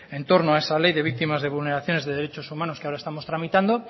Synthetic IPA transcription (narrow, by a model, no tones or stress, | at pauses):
ent̪o̞ɾnoaesalejðe̞β̞ik̚t̪imazðe̞β̞ulne̞ɾaθjo̞ne̞zðeðeɾet͡ʃo̞sumano̞skeaoɾaest̪amo̞st̪ɾamit̪and̪o̞